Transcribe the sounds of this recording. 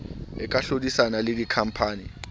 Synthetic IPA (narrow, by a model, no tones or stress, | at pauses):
ɛkʼaɬodisanaledikʰam̩pʰaːni